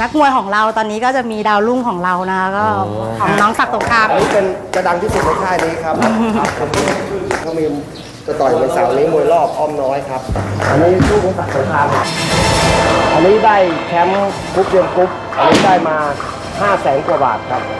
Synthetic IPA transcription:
na˦˥k̚mu˧əjkʰɔː˩˦ŋɾa˧wt̪ɔː˧nːiː˦˥kɔː˥˩t͡ɕa˨˩miː˧daː˧wlu˥˩ŋkʰɔː˩˦ŋɾa˧wna˦˥kʰa˦˥kɔː˥˩ | kʰɔː˩˦mnɔː˦˥ŋsa˨˩k̚t̪o˨˩kʰa˦˥ʔa˧nːiː˦˥pe˧nka˧da˧ŋt̪ʰi˥˩su˨˩ma˧jt̪ʰaː˥˩jniː˦˥kʰa˦˥p̚a˨˩p̚kʰo˧nu˧˥˩kʰɔː˦˥˩miː˧ | t͡ɕa˨˧t̪ɔ˨˩jmu˨˩˦jsa̰˨˩wʔa˧nːiː˦˥mu˧əjlɔː˥˩p̚ʔɔː˥˩mnɔː˦˥jkʰa˦˥p̚ʔa˧nːiː˦˥t̪ʰu˥˩kʰuː˨˧˦nsa˨˩k̚so˨˦t̪ʰaː˧ŋkʰa˦˥p | ʔa˧nːiː˦˥daː˥˩jkʰɛ˦˥m | ku˦˥p̚je˧əmku˦˥p̚ʔa˧nːiː˦˥daː˥˩jmaː˧ | haː˥˩sɛː˩˦nku˨˩˦ba̰ː˨˩t̪̚kʰa˦˥p̚

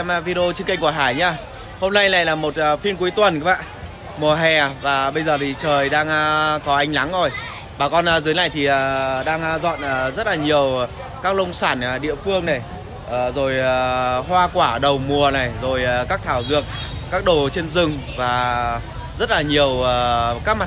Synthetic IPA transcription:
ɛ˧m˧vi˧ɗe˧o˧t͡ɕkə˧jŋku˧˩ɦaː˧˩jɲaː˧ | ho˧mna˧jla˨˩jlaː˨˩mo˨˩t̚ːfi˧nkwu˨˦jt̪wə˨˩nkːɓa̰ː˧˨ | mu˨˩əɦɛ˨˩vaː˨˩ɓə˧jzəː˨˩t̪ʰi˨˩t͡ɕəː˨˩jɗaː˧ŋ˧kɔ˨˦ʔa˧jŋla˨˦ŋzo˨˩j | ɓaː˨˩kɔ˧n˧˩zɨ˨˦jna̰˧˨jt̪ʰi˨˩ə˨˩ɗaː˧ŋ˧zɔ̰˧˨nə˨˩zə˦˥t̚laː˨˩ɲi˨˩əw | kaː˦˥k̚lə˧wŋ͡msaː˧˩n˨˩ɗḭ˧˨əfɨ˧əŋna˨˩j | ʔəː˨˩zo˨˩jhwaː˧kwaː˧˩ɗə˨˩wmu˨˩əna˨˩jzo˨˩jkaː˦˥k̚t̪ʰaː˧˩wzɨ˨˩ək̚kaː˦˥k̚ɗo˨˩t͡ɕe˧nzɨ˨˩ŋvaː˨˩ | zə˦˥t̚laː˨˩ɲi˨˩əwə˨˩kaː˦˥k̚ma˨˩

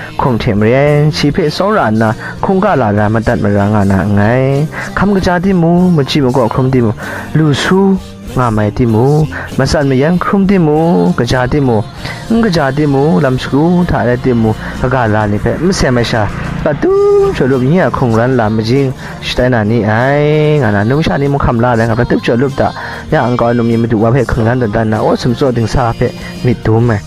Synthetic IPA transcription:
kʰu˨mtʰɛ˨mə˨ɹɛ˦nt͡ʃʰi˨pʰɛ˦˨sɔ˦wɹa˨na˨ | kʰu˨ŋka˨la˨da˨mə˨da˦˨t̚mə˨ɾa˨ŋa˨na̰˨ŋa˨˦jkʰa˨mɡə˨d͡ʒa˧˨t̬i˦˨mu˧mə˨d͡ʒi˨mu˨kɔ˨kʰɹu˦mt̬i˨mu˨lu˨su˦ | ŋa˨ma˨jti˦˨mu˨mə˨sa˦˨t̚mə˨ja˦nkʰʊ˦mt̬i˦˨mu˨kə˨d͡ʒa˨ti˦˨mu˨ | ŋ̩˦ɡə˨d͡ʒa˨t̬i˦˨mu˨la˨msku˦tʰa̰˨da˧jti˦˧mu˧kə˧ɡa˧˨la˧˨ni˨pʰɛ˧˨ʔmə˦sɛ˨ma˨jʃa˧˨pa˧˨tu˦p̚t͡ʃʰɔ˨lu˦˨p̚ŋi˦a˨kʰu˨ŋɾa˦nla˨mə˨d͡ʒi˦ŋ | ʃi̥˨ta˦jna˨ni˧ʔa˧jŋa˨na˨nu˧˨mʃa˧˨ni˦˨mu˧kʰa˧˨mla˧˨la˧˦ŋa˨pa˨tu˦p̚t͡ʃʰɔ˨lu˦p̚da̰˨ʔ | ja˧˨ŋka˧˨˦nu˧˨mɲi˧˨mə˧du˨wa˧˨pʰɛ˦˨ʔkʰɯ˨ŋla˦ndɔ˨nta˦nːa˨ʔɔ˦su˨mt͡sɔ˦ʔdi˨ŋsa˧˨pʰɛ˧ʔ | mi˨t̪̚du˨˦ma˨j

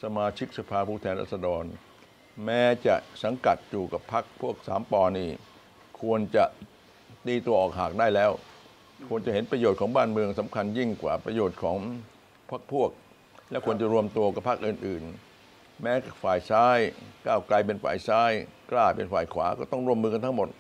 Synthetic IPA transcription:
sa˧maː˧t͡ɕʰi˦˥k̚sa˧pʰaː˧pʰuː˥˩t̪ʰɛː˧nɾa̰ː˥˩t̪̚sa˧dɔː˧n | mɛː˦˥t͡ɕa˨˩ʔsa˩˦ŋka˨˩t̪̚juː˨˩ka˨˩pʰːa˦˥k̚pʰu˥˩ək̚saː˩˦mpɔː˧˩niː˥˩ | kʰu˧ənt͡ɕa˨˩ʔ | t̪iː˧t̪u˧əʔɔː˨˩k̚ɦaː˨˩k̚daː˥˩jlɛː˦˥˩w | kʰu˧ənt͡ɕa˨˩he˩˦npɾa˧joː˨˩t̪̚kʰɔː˩˦ŋbaː˥˩nmɯ˧əŋsa˩˦mkʰa˧nji˥˩ŋkwa̰ː˨˩pɾa˧joː˨˩t̪̚kʰɔː˩˦ŋ | pʰaː˦˥˩k̚pʰu˥˩ək̚ | lɛ˦˥wkʰu˧ənt͡ɕa˨˩ɾu˧əmt̪u˧əka˨˩pʰːa˦˥k̚ʔɯː˨˩nʔɯː˨˩n | mɛː˦˥ka˩faː˨˩jsaː˦˥jkaː˥˩wkla˧jpe˧nfa̰ː˨˩jsaː˦˥˩jklaː˥˩pḛ˧nfaː˨˩jkʰwa̰ː˩˦kɔː˥˩t̪ɔ˥˩ŋɾu˥˩əmːɯː˧ka˧nt̪ʰa˦˥ŋmo˨˩t̪̚

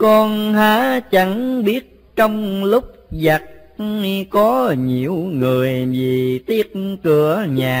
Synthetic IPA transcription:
kɔ˧nhaː˨˦t͡ɕa˨˦ŋɓi˦˥ət̚ | t͡ɕɔ˧wŋ͡mlʊ˦˥k͡p̚za˨˩t̚ | kɔ˨˦ɲi˨˩əwŋɨ˨˩əjvi˨˩t̪i˦˥ət̚kɨ˧˩əɲaː˨˩

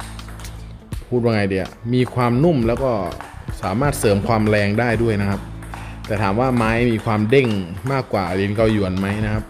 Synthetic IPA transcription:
pʰuː˥˩t̪̚waː˧˩ŋa˧˩jdi˧˩a̰˨˩miː˧kʰwaː˧mnu˥˩mlɛː˦˥wkɔː˥˩saː˩˦maː˥˩t̪̚sɤː˩˦mkʰwaː˧mlɛː˧ŋdaː˥˩jdu˥˩əjna˦˥kʰa˦˥p̚t̪ɛː˨˩t̪ʰaː˩˦mwaː˥˩maː˦˥jmiː˧kʰwaː˧mde˥˩ŋmaː˥˩kːwaː˨˩le˧nka˧wju˨˩ənma˦˥jna˦˥kʰa˦˥p̚

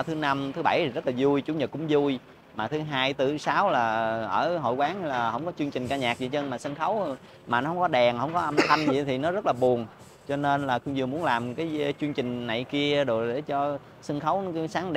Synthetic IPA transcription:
t̪ʰɨ˨˦na˧mt̪ʰɨ˨˦ɓa˧˩ji˨˩zə˦˥t̚laː˨˩zu˧jt͡ɕʊ˧˦ŋ͡mɲə˨˩t̚kʊ̰˧˥˦ŋ͡mzu˧j | maː˨˩t̪ʰɨ˨˦ɦaː˧jt̪ɨ˧˩saː˨˦wlaː˨˩ʔəː˧˩ɦo̰˧˨jkwaː˨˦nlaː˨˩hə̰˧˩wŋ͡mkɔ˨˦t͡ɕɨ˧əŋt͡ɕï˨˩ŋ̟kaː˧ɲaː˨˩k̚zḭ˧˨˩t͡ɕə˧nmaː˨˩sə˧nxə˨˦w | maː˨˩nɔ˨˦hə˧wŋ͡mkɔ˨˦ɗɛ˨˩ŋhə̰˧˩wŋ͡mkɔ˨˦ʔə˧mt̪ʰa˧jŋ̟zḭ˧˨t̪ʰi˨˩nɔ˨˦zə˦˥t̚laː˨˩ɓu˨˩əŋ | t͡ɕɔ˧ne˧nlaː˨˩xʊ˧ŋ͡mzɨ˨˩əmu˨˦ənlaː˨˩mkaː˨˦jt͡ɕɨ˧əŋt͡ɕï˨˩ŋ̟na˨˩˨jki˧əɗo˨˩ɗe˧˩t͡ɕɔ˧ | sə˧nxə˨˦wsaː˨˦ŋɗ

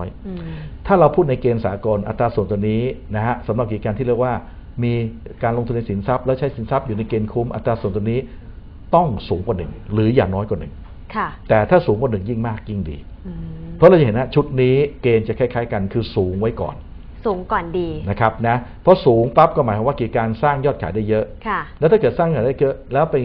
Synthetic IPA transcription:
jt̪ʰaː˥˩ɾa˧wpʰuː˥˩t̪̚na˧jkeː˧nsaː˩˦ko˧nʔa˧t̪ɾaː˧su˨˩ənt̪u˧əniː˦˥na˦˥ka˦˥sa˩˦mɾa˨˩p̚kiː˨˩kaː˧nʰi˥˩lɯ˥˩əkwaː˥˩ | miː˧kaː˧nlo˧ŋt̪ʰu˧nːa˧jsi˩˦nsa˦˥p̚lɛː˦˥˩wt͡ɕʰa˦˥jsi˩˦nsa˦˥p̚juː˨˩na˧jkeː˧nkʰu˦˥mʔa̰˧t̪ɾaː˧su˨˩nt̪u˧niː˦˥ | t̪ɔ˥˩ŋsuː˨˩˦ŋka˨˧nɯ˨˩ŋɾɯː˩˦jaː˨˩ŋnɔː˦˥jka˨˩nɯ˨˩ŋ | kʰa˥˩t̪ɛː˨˩t̪ʰaː˥˩suː˩˦ŋkʰwaː˧nɯ˨˩ŋji˥˩ŋmaː˥˩k̚ji˥˩ŋdḭː˧ | pʰɾɔ˦˥ɾa˧wt͡ɕa˨˩ɦe˩˦na˦˧˥t͡ɕʰu˦˥t̪̚niː˦˥keː˧nt͡ɕa˨˩kʰaː˥˩jkʰaː˦˥jka˧nkʰɯː˧suː˩˦ŋwa˦˥jkɔ̰ː˨˩n | suː˩˦ŋkɔː˨˩ndiː˧na˦˥kʰa˦˥p̚na˦˥pʰɔ˦˥suː˩˦ŋpa˦˥p̚kɔː˥˩maː˩˦jkaː˨˧˦waː˥˩ki˨˩kaː˧nsaː˥˩ŋjɔː˥˩kʰaː˩˦jda˥˩jːɤ˦˥ʔkʰa˥˧˩lɛ˦˥wt̪ʰa˥˩kɤː˨˩t̪̚saː˥˩ŋkʰaː˨˩˦jda˥˩jjɤ˦˥ʔlɛː˦˥wpe˧

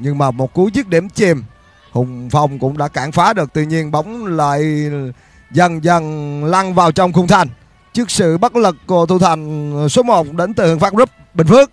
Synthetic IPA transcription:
ɲɨ˧ŋmaː˨˩mo˨˩t̚ku˨˦zɨ˦˥t̚ɗi˧˩mt͡ɕi˧m | hʊ̰˧˨˩wŋ͡mfa˧˩wŋ͡mkʊ̰˧˥ŋ͡mɗa̰ː˧˥kaː˧˩ŋfaː˨˦ɗɨ˨˩ək̚t̪ɨ̰˧˨ɲi˧ənɓə˨˦wŋ͡mla̰ː˧˨j | zə˨˩nzə˨˩nla˧ŋvaː˨˩wt͡ɕɔ˧wŋ͡mxʊ˧wŋ͡mt̪ʰa˨˩jŋ̟ | t͡ɕɨ˦˥ək̚sɨ̰˧˨ɓə˦˥t̚lɨ˨˩kːu˧˩ət̪ʰu˧˩t̪ʰa˨˩jŋ̟so˨˦mo˨˩t̚ɗe˨˦nt̪ɨ˨˩hɨ˧˨əŋfaː˦˥zə˦˥p̚ɓï˨˩ŋfɨ˦˥ək̚

